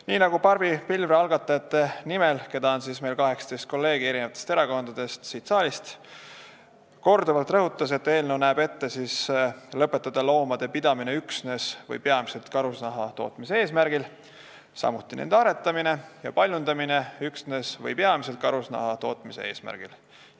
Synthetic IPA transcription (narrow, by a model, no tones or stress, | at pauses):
niːnɑɡupɑrvipilvreɑlɡ̥ɑt̪ːˑɑet̪ːenime̞lke̞d̪̥ɑo̞nsisme̞jlkɑɦe̞kst̪ejst̪̚ko̞lːe̞ːɡ̥ie̞ɾinevɑt̪ːˑest̪e̞ɾɑko̞nd̪̥ɑd̪̥e̞st̪sit̪sɑːlʲist̪ | ko̞rd̪̥uvɑlt̪ˑrɤɦut̪ːˑɑse̞t̪ːeːlnewnæːbe̞t̪ːe̞sislɤpːˑe̞t̪ːˑɑd̪̥ɑlo̞ːmɑd̪̥e̞pid̪ɑmine̞yksne̞svɤ̰jpe̞ɑmise̞lt̪̚kɑɾusnɑɦɑt̪o̞̰ːt̪mise̞e̞ːsmæɾɡ̥il | sɑ̰mut̪ːˑinḛnd̪ɑɾe̞t̪ːˑɑmine̞jɑpɑlʲjund̪ɑmine̞yksne̞svɤ̰jpe̞ɑmise̞lt̪kɑɾusnɑ̰ɦɑt̪o̞ːt̪ˑmise̞̰e̞ːsmæ̰ɾɡ̥il